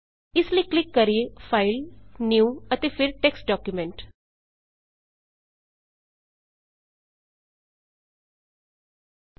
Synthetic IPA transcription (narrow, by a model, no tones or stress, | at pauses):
ɪsləiklɪkːəɾiepʰaːɪlnjiuːət̪epʰɪɾʈeksʈ̚ɖɔːkjumɛ̃ɳʈ